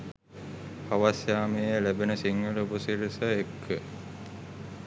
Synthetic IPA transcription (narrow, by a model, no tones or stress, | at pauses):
aʋasjaːmejelæbenəsiŋɡəlubusiɾisəekʰːə